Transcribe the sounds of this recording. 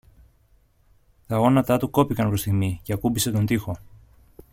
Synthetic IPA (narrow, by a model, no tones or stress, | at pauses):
t̪ɐɣo̞nɐt̪ɐt̪uko̞pikɐnpɾo̞st̪iɣmiceɐkubise̞t̪o̞nd̪ixo̞